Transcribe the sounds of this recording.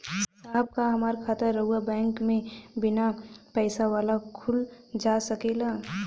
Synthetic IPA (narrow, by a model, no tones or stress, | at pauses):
saːɦb̚kaɦɐmaːɾkʰaːt̪əɾːəɦuabɛ̃ːŋkmẽbɪnapɛːsaʋaːlakʰʊl | d͡ʒasəkela